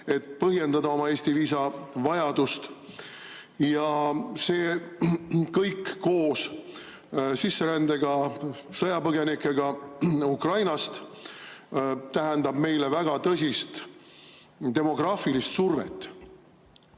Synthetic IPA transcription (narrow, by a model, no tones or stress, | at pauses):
e̞t̪pɤɦje̞nd̪ɑd̪ɑo̞mɑe̞ːsʲt̪iviːsɑvɑjɑd̪̥ust̪ | jɑse̞ː | kɤjkːo̞ːs | sisːe̞ɾænd̪eɡ̥ɑ | sɤjɑpɤɡe̞nikːˑeɡ̥ɑukrɑjnɑst̪ | t̪æɦend̪ɑb̥me̞jle̞væɡ̥ɑt̪ɤs̬ʲist̪ | t̪e̞mo̞ɡ̥rɑːfilist̪survḛt̪ˑː